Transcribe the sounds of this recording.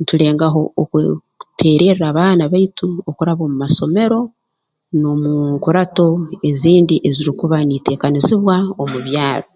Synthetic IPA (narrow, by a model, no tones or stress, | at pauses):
nitule̞ːŋɡaɦo̞ːk | tʰe̞ːɾe̞ɾɾaːβaːnaβaituo̞kuɾaβo̞ːmumaso̞me̞ɾo̞ | nomuŋkuɾato̞e̞ziːndiʔe̞ziɾikuβanite̞ːkaniziβwao̞muβjaːɾo